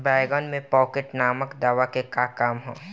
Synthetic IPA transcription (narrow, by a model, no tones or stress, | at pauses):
baːjɡɔːnmẽpɔːkeʈnaːməkd̪aːʋakekakaːmɦo̰ː